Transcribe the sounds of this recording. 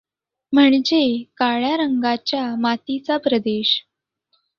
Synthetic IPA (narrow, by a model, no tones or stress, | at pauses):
m̤əɳd͡ʑekaɭjaɾəŋɡat͡ɕjamat̪it͡sapɾəd̪eɕ